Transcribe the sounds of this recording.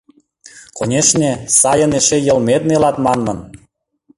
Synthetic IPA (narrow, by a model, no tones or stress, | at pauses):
konʲeʃnʲĕsɑjə̆neʃejə̆lmet̪̚nelɑt̪mɑnːɤ̆n